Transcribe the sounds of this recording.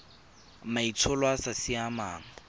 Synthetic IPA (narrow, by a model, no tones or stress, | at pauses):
mait͡sʰʊlwasasiamaːŋ̩